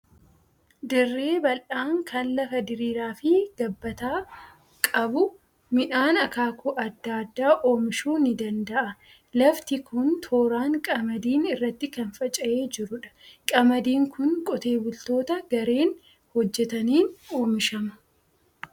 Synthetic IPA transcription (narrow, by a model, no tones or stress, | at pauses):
d̪ɪrːe̞ːbɐlʔaːŋkʰɐnlɐfɐd̪ɪɾiːɾaːfɪɡ̥ɐbːɐt̪aː | kʼɐbʊ | mɪᶑaːnɐkaːkʊʔɐd̪ːaːd̪ːaːʔo̞ːmɪʃuːnɪd̪ɐnd̪ɐʔɐ | lɐft̪ɪkʰʊnt̪ʰo̞ːɾaːŋkʼɐmɐd̪iːnɪrːɐt̪ːɪkɐnfɐt͡ʃʼɐʔe̞ːd͡ʒɪɾʊᶑɐ̥kʼɐmɐd̪iːŋkʊnkʼɔt̪e̞ːbʊlt̪o̞ːt̪ɐɡɐɾe̞ːn | hɔd͡ʒːɛt̪ɐniːnoːmɪʃɐmɐ̥